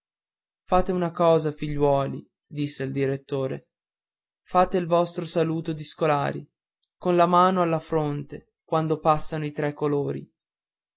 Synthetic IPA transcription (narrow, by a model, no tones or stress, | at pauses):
faːt̪eunakɔːzafiʎːwɔːlḭ | d̪isːeild̪iɾet̪ːoːɾḛ | faːt̪eilvɔst̪ɾosaluːt̪od̪iskola̰ːɾḭ | konlamaːnoalːafɾont̪e | kwand̪opasːanoit̪ɾɛkːoloːɾḭ